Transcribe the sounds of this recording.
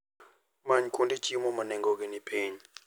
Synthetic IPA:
maɲikʰundʼit͡ʃʼimɔmanɛŋɡɔk̬ʼɛnipʼʰeːɲi

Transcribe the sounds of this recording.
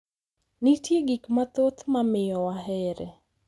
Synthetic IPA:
nitjeɡikmat̪ot̪mamɪjɔwaɦɛɾɛ

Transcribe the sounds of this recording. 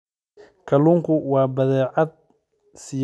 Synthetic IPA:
kʰɐluːŋkʰʊwɑːbɐðɛːʕɑd̪̚ | sɪ

